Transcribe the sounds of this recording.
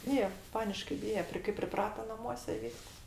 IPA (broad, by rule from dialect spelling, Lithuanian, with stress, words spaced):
ˈbʲiːjɛ ˈpɑːnʲɪʃkɐɪ ˈbʲiːjɛ ˈpʲrʲɪ kɐɪ pʲrʲɪˈprɑːtɐ nɐˈmuɔsʲɛ ɪ ˈʋʲiːsks